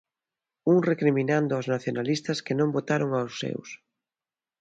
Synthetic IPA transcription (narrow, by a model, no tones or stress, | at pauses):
uŋrekɾimĩnand̪ʊaznaθjonalist̪ɐskɪnõmbot̪aɾoŋawsːḛws